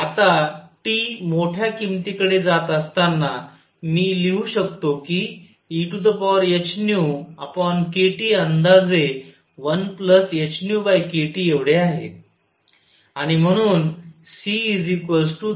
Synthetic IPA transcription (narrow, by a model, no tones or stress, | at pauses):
at̪aʈiːmoʈʰjakimt̪ikəɽed͡zat̪əst̪anːa | miːliuːɕəkt̪okiː | ʈud̪əpɔɾet͡ɕnjuapəɳkeʈiːənd̪ad͡ze | ʋənpləset͡ɕnjubajkeʈiːeʋɽeaɦḛ | aɽ̃im̤əɽ̃uːnsiːd͡zikəs̬ʈu